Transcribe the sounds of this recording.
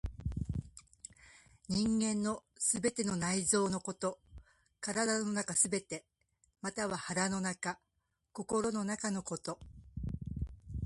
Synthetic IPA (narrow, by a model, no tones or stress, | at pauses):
ɲ̟ĩŋɡẽ̞nːo̞sɨbe̞t̪e̞no̞naizo̞ːno̞ko̞t̪o̞ | kaɾad̪ano̞nakasɨbe̞t̪e̞ | mat̪aβahaɾano̞naka | ko̞ko̞ɾo̞no̞nakano̞ko̞t̪o̞